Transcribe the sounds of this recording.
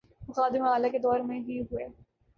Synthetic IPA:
mʊxaːd̪ɪmaːlaked̪ɔːɾmẽbiɦueː

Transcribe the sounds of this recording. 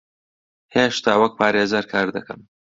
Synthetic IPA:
heʃt̪ʰaːwɐk̚pʰaːɾeːzaɾkʰaːɾd̪ɐkɐ̰m

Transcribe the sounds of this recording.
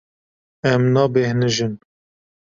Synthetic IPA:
ɛmnɑːbehnɨʒɨn

